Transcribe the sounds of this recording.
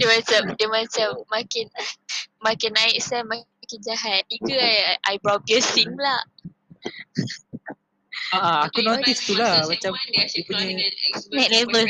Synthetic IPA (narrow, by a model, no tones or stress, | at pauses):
dəmat͡ʃamdəmat͡ʃamːakɪnmakɪnaɪʔsɛma | kind͡ʒaɦaikəaʔajbɾɔp̚ɡɛsiŋlah | aʔaakunot̪ist̪ulamat͡ʃamdipuɲə̃nɛʔlevə